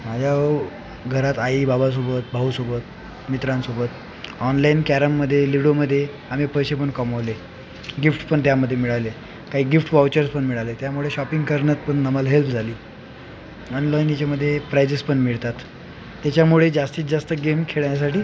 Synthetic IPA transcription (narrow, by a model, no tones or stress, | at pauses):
mad͡ʑʱjaə | ɡʱəɾat̪aiːbabas̬obət̪̚bʱaɦusobət̪̚ | mit̪ɾãnsobət̪ | ɔnlainkæɾəmːəd̪ʱːjeliʋɽoməd̪ʱːje | am̤ipəjɕepəɳkəməʋle | ɡifʈpəɳt̪jaməd̪ʱːjemiɭaʋle | kaɦiːɡifʈʋawt͡ɕəɾspəɳmiɭaʋlet̪jamuɭeɕɔpiŋɡkəɾnət̪pəɳnəməlɦelpʰd͡zʱaliː | ɔnlɔjinit͡ɕaməd̪ʱːjepɾajsispəɳmiɭt̪at̪ː | jat͡ɕjamuɭed͡zast̪iːt͡sd͡zast̪əɡemkʰeɭjas̬aʈiː